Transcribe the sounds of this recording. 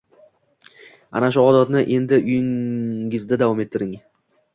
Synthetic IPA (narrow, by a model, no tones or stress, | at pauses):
a̰naʃʊɒd̪ɒt̪nɪʔe̞nd̪ɪʔʊjɪŋɪzd̪ad̪avɒme̞t̪ʰːɪɾɪŋ